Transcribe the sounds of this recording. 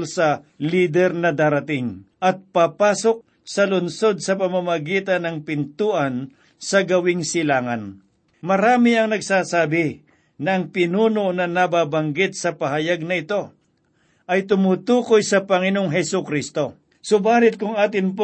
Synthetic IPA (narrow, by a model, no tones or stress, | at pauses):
lsɐliːd̪ɛɾnɐd̪aːɾɐt̪ɪŋʔɐt̪̚papaːsok̚ | sɐlʊnso̞d̪̚sɐpɐmamɐɡiːt̪ɐnɐŋpɪnt̪uːʔɐn | sɐɡɐwɪŋsɪlaːŋɐn | mɐɾaːmɪɐŋnɐɡsaːsaːbɪ | nɐʔɐŋpɪnuːnonɐnɐbaːbɐŋɡɪt̪̚sɐpɐɦɐjaɡ̚nɐɪt̪o̞ | ʔɐjt̪ʊmut̪uːkojsɐpɐŋɪnoŋɦɛsʊkɾist̪o̞ | sobaːlɪt̪̚kʊŋaːt̪ɪnp